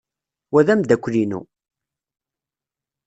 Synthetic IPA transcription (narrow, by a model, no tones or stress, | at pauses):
wæðæmd̪ækʷːlinṵ